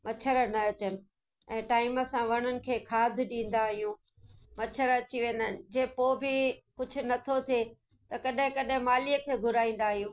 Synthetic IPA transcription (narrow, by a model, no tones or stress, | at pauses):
mɐt͡ɕʰəɾənɐɐt͡ɕənɪ̆ | ɛ̃ːʈaːɪməsãʋɐɽ̃ənɪ̆kʰeːkʰaːd̪ʱɗĩːn̆d̪aɦijũː | mɐt͡ɕʰəɾɐt͡ɕiʋẽːn̆d̪ənɪ̆d͡ʑeːpoːbʱɪkʊd͡ʑʱʊ̆nɐt̪ʰot̪ʰe | t̪ɐkɐɗɦɪ̃kɐɗɦɪ̃maːlijəkʰeːɡʱʊɾaːĩːn̆d̪aːɦijũː